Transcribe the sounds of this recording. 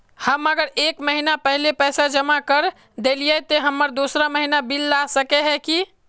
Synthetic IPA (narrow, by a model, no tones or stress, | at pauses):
həməɡəɾekməɦinapəɦlepɛjsad͡ʒəmakəɾ | d̪elijɛt̪eɦəmːəɾd̪usɾaməɦinabilːasəkeɦɛki